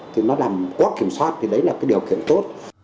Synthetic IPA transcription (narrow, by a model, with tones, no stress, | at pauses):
t̪ʰi˨˩nɔ˨˦laː˨˩mka˨˦˥k̚kːi˧˩əmswaː˦˥t̚t̪ʰi˨˩ɗə˨˦jlaː˨˩kaː˨˦jɗi˨˩əwkḭ˧˨ənt̪o˦˥t̚